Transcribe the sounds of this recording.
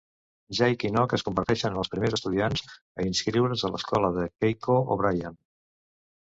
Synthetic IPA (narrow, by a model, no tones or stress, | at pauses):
ʒajkinɔkəskumbəɾt̪ɛʃənənəlˠspɾimezəst̪uðianz̥ | əinskɾiwɾənzələ̰skɔləðəkejkooβɾajan